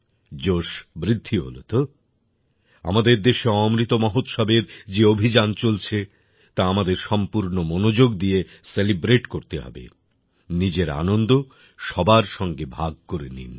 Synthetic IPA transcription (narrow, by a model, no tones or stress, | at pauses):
d͡ʑoʃbɾid̪ʱːiɦo̰lo̰t̪o | a̰mad̪eɾd̪eʃeɔmɾit̪omɔɦot̪ʃabeɾd͡ʑeobʱid͡ʑant͡ɕolt͡ɕʰe | t̪aamad̪eɾʃɔmpuɾnomonod͡ʑoɡd̪ie | selibɾeʈkoɾt̪eɦɔ̰bḛ | nid͡ʑeɾa̰nond̪o | ʃɔbaɾʃɔŋɡebʱaɡkoɾenḭn